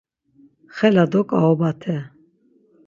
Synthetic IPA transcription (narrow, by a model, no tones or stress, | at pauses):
χɛlad̪ɔkʼaɔbat̪ʰɛ